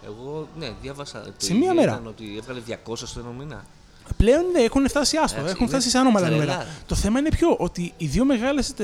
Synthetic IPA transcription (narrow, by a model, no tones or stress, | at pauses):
eɣo̞neðjɐvɐsɐ̰se̞miɐme̞ɾɐnot̪ievɣɐleðʝɐko̞sɐst̪oenominɐ̰ | ple̞o̞nðeexuneft̪ɐsiɐst̪oe̞xunfft̪ɐsiseɐnomɐlɐnomeɾɐt̪o̞θe̞mɐine̞pço̞ʔo̞t̪iːðio̞me̞ɣɐlest̪